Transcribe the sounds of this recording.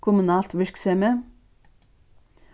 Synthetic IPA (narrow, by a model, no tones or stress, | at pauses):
kʰʊmʉnɑːlt̪ʋɪɹksɛmə